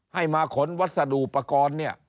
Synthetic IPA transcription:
ha˥˩jmaː˧kʰo˨˦nwa˦˥t̪̚sa˧duː˨˩pa˧kɔː˧nːi˥˩ɐ

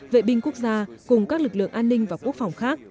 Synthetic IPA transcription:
vḛ˧˨ɓï˧ŋ̟ku˦˥ək̚zaː˧kʊ˨˩ŋ͡mkaː˦˥k̚lɨ˨˩k̚lɨ̰˧˨əŋʔaː˧nːï˧ŋ̟vaː˨˩ku˦˥ək̚fa˨˩wŋ͡mxaː˦˥k̚

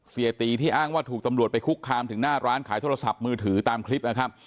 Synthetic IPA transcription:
si˨˩t̪iː˧t̪ʰiː˥˩ʔaː˥˩ŋwaː˥˩t̪ʰu˨˩k̚t̪a˧mɾu˨˩ət̪̚pa˧jkʰu˦˥kʰːaː˧mt̪ʰɯ˩˦ŋnaː˥˩ɾaː˦˥nkʰaː˩˦jt̪ʰoː˧a˧sa˨˩p̚mɯː˧t̪ʰɯː˩˦t̪aː˧mkʰli˦˥p̚na˦˥kʰa˦˥p̚

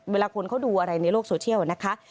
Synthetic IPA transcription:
weː˧laː˧kʰo˧nkʰa˦˥˩wduː˧ʔa˧ɾa˧jna˧jloː˥˩k̚soː˧t͡ɕʰi˥˩əwna˦˥kʰa˦˥ʔ

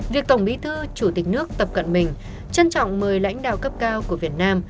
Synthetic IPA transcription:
vi˨˩ək̚t̪ə˧˩wŋ͡mɓi˨˦t̪ʰɨ˧t͡ɕu˧˩t̪ï˨˩k̟̚nɨ˦˥ək̚t̪ə˨˩p̚kə̰˧˨nmï˨˩ŋ̟ | t͡ɕə˧nt͡ɕɔ̰˧˨wŋ͡mməː˨˩jla̰˧˥jŋ̟ɗa̰ː˧˨wkə˦˥p̚kaː˧wku˧˩əvi˨˩ət̚naː˧m

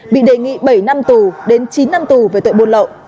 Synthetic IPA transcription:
ɓḭ˧˨ɗe˨˩ŋḭ˧˨ɓə˧˩jna˧mt̪u˨˩ɗe˨˦nt͡ɕi˨˦nːa˧mt̪u˨˩ve˨˩t̪o̰˧˨jɓo˧˨nlə̰˧˨ʔ

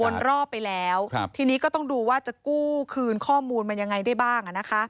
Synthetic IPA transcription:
o˧nɾɔː˥˩ppːa˧jlɛː˦˥wt̪ʰiː˧niː˦˥kɔː˥˩t̪ɔ˥˩ŋduː˧waː˥˩t͡ɕa˨˩kuː˥˩kʰɯː˧nkʰɔː˥˩muː˧nma˧nja˧ŋːa˧jdaː˥˩jbaː˥˩ŋʔa˨˩na˦˥kʰa˦˥

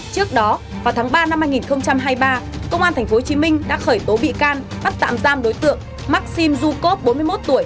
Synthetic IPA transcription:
t͡ɕɨ˦˥ək̚ɗɔ˨˦ | vaː˨˩wt̪ʰaː˨˦ŋɓaː˧na˧mhːaː˧jŋi˨˩nxə˧wŋ͡mt͡ɕa˧mɦaː˧jɓaː˧kə˧wŋ͡mʔaː˧nt̪ʰɛ˨˩ŋ̟fo˨˦ho˧t͡ɕi˨˦mï˧ŋ̟ɗa̰ː˧˥xəː˧˩jt̪o˨˦ɓḭ˧˨kaː˧nɓa˦˥t̚t̪a̰ː˧˨mzaː˧mɗo˨˦jt̪ɨ̰˧˨əŋ | ma˦˥k̚si˧mzu˧ko˦˥p̚ɓo˨˦nmɨ˧jmo˦˥t̚t̪u˧˩əj

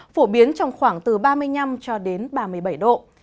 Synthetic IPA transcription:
fo˧˩ɓi˨˦ənt͡ɕɔ˧wŋ͡mxwaː˧˩ŋt̪ɨ˨˩ɓaː˧mɨ˧əjna˧mt͡ɕɔ˧ɗe˨˦nɓaː˧mɨ˨˧əjɓa˧˩jɗo̰˧˨

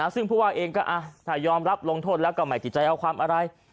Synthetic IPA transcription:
a˦˥sɯ˥˩ŋpʰuː˥˩waː˥˩ʔeː˧ŋkɔː˥˩ʔa˧t̪ʰaː˨˩jɔː˧mɾa˦˥p̚lo˧ŋt̪ʰoː˥˩lɛ˦˥wkɔː˥˩maː˨˩j̪t͡ɕʰi˨˩t̪̚t͡ɕa˧jʔa˧wkʰwaː˧mʔa˧ɾa˧j

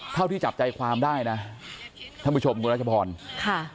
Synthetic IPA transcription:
t̪ʰa˥˩t̪iː˥˩t͡ɕa˨˩p̚t͡ɕa˧jkʰwaː˧mdaː˥˩jna˦˥ | t̪ʰa˥˩pu˥˩t͡ɕʰo˧mkʰuː˧a˥˩a˧pʰɔː˧nkʰa˥˩

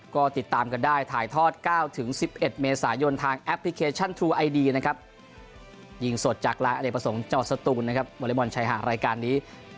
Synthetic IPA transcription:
kɔː˥˩t̪i˨˩t̪ːaː˧mka˧ndaː˥˩jt̪ʰaː˨˩˦jt̪ʰɔː˥˩t̪̚kaː˥˩wt̪ʰɯ˩˦ŋsi˨˩p̚ʔe˨˩t̪̚meː˧saː˩˦jo˧nt̪ʰaː˧ŋʔɛ˦˥pʰːli˦˥kʰeː˧t͡ɕʰa˥˩nt̪ʰɾuː˧ʔa˧jdiː˧na˦˥kʰa˦˥p̚ | ji˧˩ŋso˨˩t̪̚t͡ɕaː˨˩k̚laː˧jʔa˧deː˨˩pːɾa˧so˩˦ŋt͡ɕa˧ŋwa˨˩t̪sa˧t̪uː˧nːa˥kʰa˦˥p̚wa˧li˦˥mɔ˧nt͡ɕʰa˧˥jɦa̰˨˩ɾaː˧jkaː˧nːiː˦˥

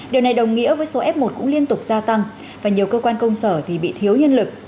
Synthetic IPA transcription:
ɗi˨˩əwna˨˩jɗə˨˩wŋ͡mŋḭ˧˥əvəː˨˦jso˨˦ʔɛ˦˥p̚mo˨˩t̚kʊ̰˧˥ŋ͡mli˧ənt̪ʊ˨˩k͡p̚zaː˧t̪a˧ŋ | vaː˨˩ɲi˨˩əwkəː˧kwaː˧nkə˧wŋ͡msəː˧˩t̪ʰi˨˩ɓḭ˧˨t̪ʰi˨˦əwɲə˧nlɨ˨˩k̚

